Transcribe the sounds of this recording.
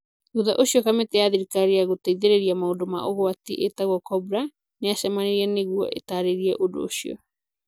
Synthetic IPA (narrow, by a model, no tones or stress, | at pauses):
uðaʔosiɔkameteaðiɾikaɾiaɣoteiðeɾeɾiamaodoma̰ʔoɣoatiʔetaɣwakɔbɾa | neasamaɾeɾianeɣua̰ʔḛtaɾeɾiaʔodo̰ːsiɔ̰